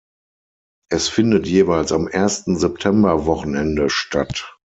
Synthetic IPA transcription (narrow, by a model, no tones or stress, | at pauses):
ʔɛsfɪndətjeːvaɪlsamʔeɐstn̩zɛp̚tʰɛmbɐvɔχn̩ɛndəʃtat